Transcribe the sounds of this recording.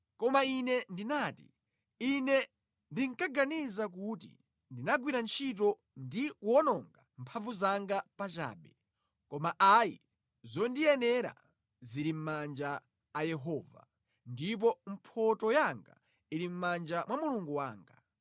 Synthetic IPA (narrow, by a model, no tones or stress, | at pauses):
kɔmainɛndinaːtḭ | inɛ | ndiŋkaɡanizak̬ut̬ḭ | ndinaɡwiɾant͡ʃʰitɔ | ndikwɔnɔŋɡam̩pʰavuzaŋɡapat͡ʃa̰ːɓɛ | kɔmaʔajḭ | zɔndijɛnɛɾa̰ | ziɾim̩mand͡ʒaː | jɛɦɔːva̰ | ndip̬ɔm̩pʰɔtɔjaŋɡa̰ | iɾim̩mand͡ʒamwamuluŋɡuwa̰ːŋɡa